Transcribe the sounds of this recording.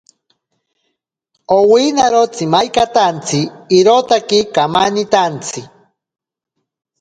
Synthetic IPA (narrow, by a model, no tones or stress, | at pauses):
owinaɾot͡simajkat̪ant͡sʰiːɾot̪akikamanit̪ant͡sʰi